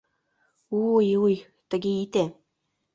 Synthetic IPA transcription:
ujuj | t̪ə̆ɡeit̪e

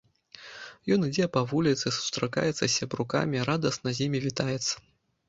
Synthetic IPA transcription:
jɔnɨd͡zʲɛpɐvulʲit̪sɨsu̥st̪ɾaka̰jɛt̪sɐsʲɐbɾuka̰mʲiɾad̪ɐsnɐzʲimʲivʲit̪ajɛt̪sːɐ̥

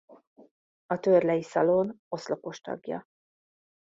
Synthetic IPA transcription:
ɒt̪ørlɛjisɒlono̞sloko̞ʃt̪ɒ̰ɡjɒ̰

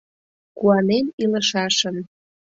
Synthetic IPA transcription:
kuɑneniləʃɑʃən

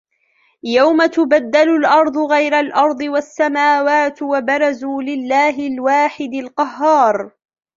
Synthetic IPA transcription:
jawmat̪ʊbad̪ːalʊlʔɑɾˤd̪ˤʊɣajɾalʔɑɾˤd̪ˤɨwasːamaːwaːt̪wabɑɾˤɑzuːlɪlːaːɦɪlwaːħɪd̪ɪlqɑɦːɑːɾˤ

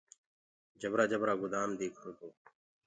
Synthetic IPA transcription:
d͡ʒəbɾaːd͡ʒəbɾaːɡʊd̪aːmd̪eːkʰɾoːt̪oː

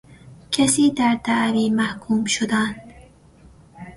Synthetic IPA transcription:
kʰasiːd̪aɾt̪aʔɾimahkʰuːmʃʊd̪an

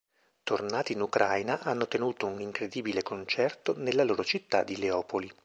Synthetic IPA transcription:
t̪ornaːt̪iːnukɾʔajnaʔanːot̪enuːt̪ouniŋkɾed̪iːbilekont͡ʃɛrt̪onelːaloːɾot͡ʃit̪ːa̰d̪ːileɔːpoli

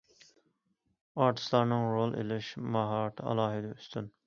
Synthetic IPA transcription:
ɑɾt̪ʰɨ̥slˠɑɾnɨŋɾolˠʔḛlɪʃmɑɦɑɾt̪ʰɑ̰lˠɑːɦɪd̪ɛyst̪yn

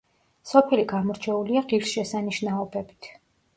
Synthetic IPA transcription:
sɔpʰɛliɡamɔɾt͡ʃʰɛuliaʁiɾsʃɛsaniʃnaɔbɛbit̪ʰ

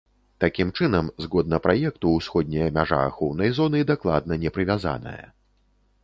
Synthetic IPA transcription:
t̪akʲimt͡ʂɨnɐmzɣɔd̪̚nɐpɾʔajɛk̚t̪uːsxɔd̪̚ʲnʲɐjɐmʲaʐa̰ːxɔwnɐjzɔnɨd̪aklˠa̰d̪̚nɐnʲɛpɾɨvʲaza̰nɐ̰jɐ̰

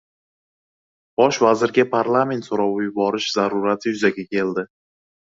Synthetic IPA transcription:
b̥ɒʃvazɪɾɡʲapʰaɾlˠame̞nt̪soɾawɪjbɒɾɪʃzaɾʊɾat̪ʰɪjʊzaɡʲakʲʰe̞ld̪ɪ

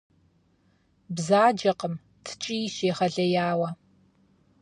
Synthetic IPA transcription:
bzaːd͡ʒɐqəm | tʰɨ̥t͡ʃʼiʃeːχɐɮɐjaːwɐ

